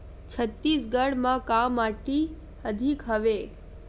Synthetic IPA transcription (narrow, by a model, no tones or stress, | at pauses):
t͡ʃʰət̪ːisɡəɽmãkamaʈi | əd̪ʱikɦəʋe